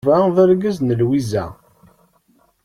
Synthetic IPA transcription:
væðəɾɡəznəlwizæ̰

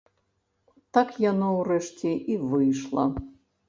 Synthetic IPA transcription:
t̪akjanɔwrɛʂt͡sʲɛʔivɨjʂlˠɐ̰

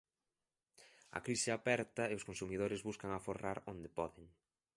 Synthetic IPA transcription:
ɐ̰kɾisɪapɛɾt̪ɐeʊskonsumiðoɾɪzβuskɐŋaforaɾond̪epɔðɪŋ

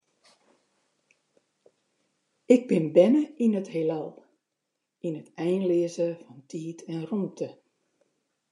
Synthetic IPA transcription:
ɪɡ̚bɪnbɛnəinəthelɛlˠ | inətɛjnlɪəzəfɔntʰiːtʰɛnrumtʰə

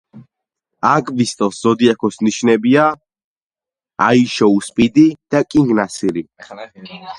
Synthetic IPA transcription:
akʼvist̪ʼɔszɔd̪iakʰɔsniʃnɛbia | a̰iʃɔuspʼid̪id̪̥akʼiŋɡnasiɾi

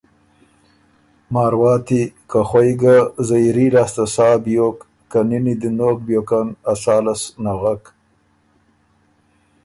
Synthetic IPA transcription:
mɑːɾwɑːt̪ikaxwajɡazajɾilaːst̪asɑːbjokː | aninid̪ənok̚bjoːkanasaːlasnaɣak

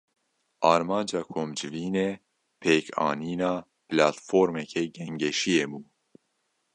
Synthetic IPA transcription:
ʔɑːɾmɑːnd͡ʒɑːkʰomd͡ʒɨviːne | pʰeːkʰɑ̰ːniːnɑː | plɑːt̪foːɾmɛkʰɛɡɛŋɡɛʃijebuː

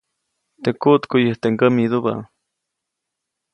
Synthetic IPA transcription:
t̪ekuʔt̪kujəht̪eŋɡəmid̪uba̰

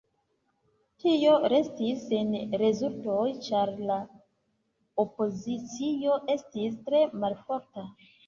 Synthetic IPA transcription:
tio̞ɾe̞stisenɾe̞zulto̞jt͡ʃaɾla | opo̞zit͡sio̞ʔe̞stistɾe̞malfoɾta

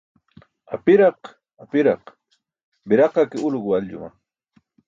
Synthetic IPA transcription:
apɪɾɑq | apɪɾɑq | bɪɾɑqɑkɪʊlɢʊaʎʎʊ̰ma̰

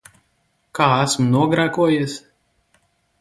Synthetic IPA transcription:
kaːæsmnuɔɡɾæːkuɔjis

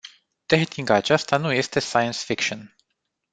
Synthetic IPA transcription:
t̪eɦt̪iŋɡaːt͡ʃast̪anuje̞st̪e̞sajənsfikʃon

